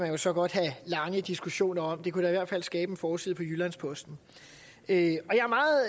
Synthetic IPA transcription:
mænjo̝sɒ̽ɡ̥ɒ̽d̥ɦælɑ̈ŋəd̥isɡ̥uɕo̝̰ːnɐɒ̽md̥e̝kuɾ̥ɑ̈iʋæɐ̰d̥fæl̰sɡ̥ɛːb̥ənfɒːsið̞̰ˠpʰɒ̽jylænspʰɒ̽sd̥n̩ | øɒ̽jɑ̈æɐmɑ̈ːð̩ˠ

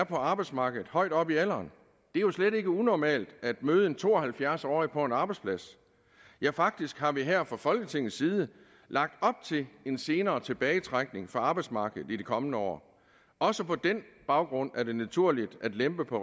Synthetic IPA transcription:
ɐpʰɒ̽ɑ̈ːb̥ɑ̈ɪdsmɑ̈ːɡ̥ð̩ˠhɒ̽ɪ̰d̥ɒ̽b̥iel̰ɐːn | d̥e̝æɐjo̝sleɾe̝ɡ̥əunɒmɛ̰ːld̥æd̥møːð̞̩ˠent͡sʰo̝̰ːɒ̽hælfjæɐsɒ̰ːipʰɒ̽enɑ̈ːb̥ɑ̈ɪ̥spʰlæs | jɑfɑ̈ɡ̥̚d̥isɡ̥hɑ̈ʋiɦæɐ̰fʁɑ̈fɒ̽lɡ̥ət͡sʰe̝ŋ̰n̩siːð̞ˠə | lʔɑ̈ɡ̥̚d̥ɒ̽b̥̚t͡sʰe̝le̝nse̝ːnɐːt͡sʰe̝b̥ɛːɪt͡sʰʁaɡ̥ne̝ŋfɒɑ̈ːb̥ɑ̈ɪd̥smɑ̈ːɡ̥əð̩ˠid̥ekʰɒ̽mənəɒ̰ː | ɒ̽səpʰɒ̽d̥enb̥ɑ̈ʊɡ̥ʁɔ̽n̰æɐde̝næt͡sʰuɐ̰lid̥æd̥lemb̥əpʰɒ̽

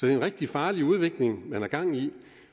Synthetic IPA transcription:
sɒ̽d̥e̝enʁɛɡ̥̚d̥ifɑ̈ːliuð̞ˠʋe̝ɡ̥le̝ŋmænæɐɡ̥ɑ̈ŋ̰i

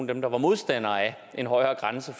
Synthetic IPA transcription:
nd̥emd̥ɑ̈ʋɑ̈mo̝ðˠsd̥æn̰ɐːæ | ʔe̝nɦɒ̽ɪɐːɡ̥ʁansəf

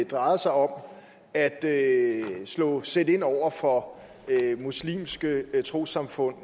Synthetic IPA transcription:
d̥ʁɑ̈ɪð̩ɐsɑ̈ɪɒ̽m | æd̥ø | slɔ̰̽ːsed̥e̝n̰ɒʊ̰ɐfɒ̽ | muslḭːmsɡ̥ət͡sʰʁo̝̰sɑ̈mfɔ̽n̰

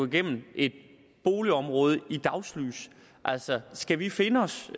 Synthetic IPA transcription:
iɡ̥en̰m̩ʔe̝d̥̚ | b̥o̝ːliɒ̽mʁɔ̽ːð̞ˠəid̥ɑ̈ʊsly̰ːs | ʔæl̰sɒsɡ̥æʋife̝nəɒ̽s

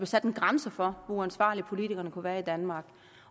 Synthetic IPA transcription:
b̥lesæd̥enɡ̥ʁamsəfɒ̽ʋoænsʋɑ̰̈ːlipʰo̝lit͡sʰiɡ̥ɐnəkʰuʋæːɐid̥ænmɑ̈ːɡ̥

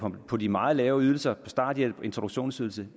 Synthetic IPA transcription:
pʰɒ̽dimɑ̈ːð̞̩ˠlɛːʊyðˠl̩sɐpʰɒ̽sd̥ɑ̰̈d̥jee̝nt͡sʰʁo̝duɡ̥ɕo̝̰ːnsyðˠl̩sə

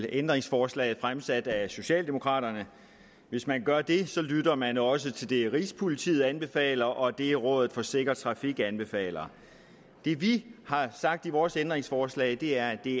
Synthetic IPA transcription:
end̥ʁeŋsfɒːslɛ̰ːð̩ˠfʁamsæd̥æso̝ɕɛ̰ːld̥emo̝kʰʁɑ̰̈ːɾɐnə | ʋe̝smænɡ̥ɶɐd̥e̝sɒ̽lydɐmænɒ̽s̬ət͡sʰe̝ld̥e̝ʁḭːspʰo̝lit͡sʰḭːð̩ˠænb̥e̝fɛ̰ːlɐʔɒ̽d̥e̝ʁɔ̽ːð̞ˠð̩ˠfɒ̽se̝ɡ̥ɐ̥t͡sʰʁɑ̈fiɡ̥ænb̥e̝fɛ̰ːlɐ | d̥e̝ʋihɑ̈sɑ̈ɡ̥̚d̥iʋɒːsend̥ʁeŋsfɒːslɛ̰ːɪd̥e̝æɐd̥e̝

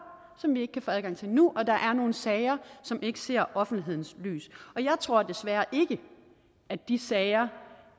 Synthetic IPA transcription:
sɒ̽mʋie̝ɡ̥ə̥kʰæfoːæð̞ˠɡɑ̈ŋt͡sʰe̝lnuʔɒ̽d̥ɑ̈ʔæɐno̝ːn̩sɛɪɐsɒ̽me̝ɡ̥əse̝ɐ̰ʔɒ̽fn̩d̥liɦe̝ð̰ˠn̩sly̰ːsɒ̽jɑ̈ɪt͡sʰʁo̝ɐ̰d̥e̝sʋæːɐʔe̝ɡ̥ə | ʔæd̥d̥isɛːɪɐ

